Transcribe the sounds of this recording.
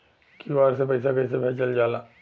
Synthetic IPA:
kiʋaːɾsepɐɪsakɐɪs̬abʱɛːt͡ʃəld͡ʒaːlaː

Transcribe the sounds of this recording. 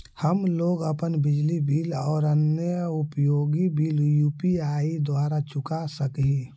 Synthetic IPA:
həmloːɡəpənbɪd͡ʒlibiːlɔːɾənjəʊpjoːɡibʱiːljuːpiaːid̪oaːɾat͡ʃʊkasəkɦi

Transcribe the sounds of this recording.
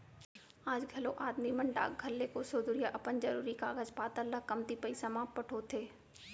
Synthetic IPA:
aːd͡ʒɡʱɐloʔaːd̪niməɳɖa̰ːɡ̚ɡʱɐlːekosoːd̪uɾijaʔɐpənd͡ʒɐɾuːɾikaːɡəd͡ʒpaːt̪əɾləkɐmt̪ipəisɐmaːppɐʈʰot̪ʰeː

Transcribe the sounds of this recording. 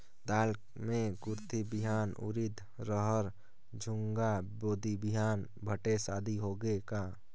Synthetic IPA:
d̪aːl | mẽɡʊɾt̪ibɪɦaːnṵɾid̪ | ɾəɦəɾ | d͡ʒʱʊŋɡaboːd̪ibiɦaːn | bʱəʈesaːd̪ʱiɦoɡeka

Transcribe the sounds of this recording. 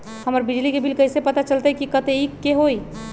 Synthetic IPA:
həməɾbid͡ʒlikebʱilkəɪsepət̪at͡ʃəlt̪aɛkikət̪eikːeɦoi

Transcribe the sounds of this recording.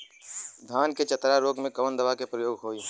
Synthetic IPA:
d̪ʱaːnket͡ʃɐt̪ɾaɾoːɡmẽkɐʋənd̪əʋakepɾɐjoːɡɦoːe

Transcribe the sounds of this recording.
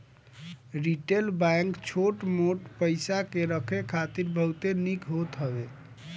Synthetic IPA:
ɾiʈelbaŋkt͡ʃʰoʈmoʈpəjsakeɾəkʰekʰat̪iɾbʱəwt̪enikɦot̪ɦəbe

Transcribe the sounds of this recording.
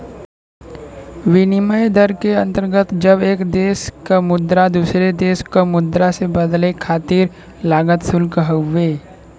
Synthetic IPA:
ʋɪnɪməjed̪əɾkeɐ̃nt̪əɾɡət̪d͡ʒɐbeːkd̪eːskamʊd̪ɾad̪uːsɾed̪eːʃkamʊd̪ɾasebəd̪lekʰaːt̪iːɾ | laːɡət̪sʊlkəɦəːeː

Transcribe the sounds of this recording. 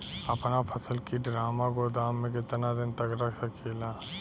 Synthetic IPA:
ɐpnapʰɐsəlkiɖɾaːmaɡod̪aːmːẽket̪nad̪ɪnt̪əkɾɐkʰsakʰeːlaː

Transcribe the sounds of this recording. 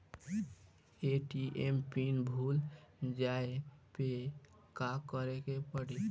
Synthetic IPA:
eʈiʔempinbʱuld͡ʒaepe | kakəɾekepəɽi

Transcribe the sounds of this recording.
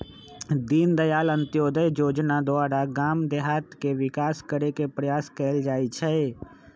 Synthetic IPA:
d̪iːnd̪əjaːlə̃nt̪joːd̪əjjoːd͡ʒnad̪oʊaːɾaɡaːmd̪eɦaːt̪keʋɪkaːskəɾekepɾəjaːskeːld͡ʒaːit͡ʃʰɛ

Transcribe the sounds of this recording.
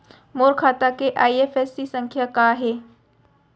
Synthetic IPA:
moːɾkʰat̪akeʔaːiefesːisəŋkʰjakaɦe

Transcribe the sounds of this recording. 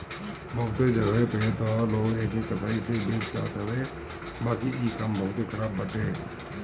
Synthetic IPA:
bʱəʊt̪ed͡ʒəɡepeet̪oloːɡeːkikəsaːisebeːd͡ʒt͡ʃa̰ːt̪ɦəʋeː | baːkiiːkəmbʱəɦʊt̪ekʰəɾaːbːəʈeː

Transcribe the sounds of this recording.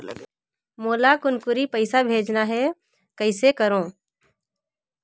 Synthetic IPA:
moːlakʊnkʊɾipəɪsabʱeːd͡ʒnaɦɛ | kəɪsekəɾõː

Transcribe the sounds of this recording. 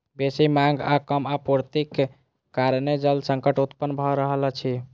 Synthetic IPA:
besimãŋɡakəmapuɾt̪ikː | aɾned͡ʒəld̪səŋkəʈut̪pənbʱɔɾəɦələt͡ʃʰi

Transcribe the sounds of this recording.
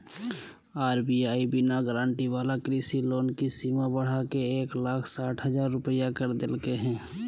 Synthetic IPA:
aːɾbiaːibɪnaɡɾãːɳʈiʋaːlakɾisiloːnkisimabəɽ̤akeeːklaːkʰsaːʈʰɦəd͡ʒaːɾːʊpəjakəɾd̪elkeɦɛ̃ː

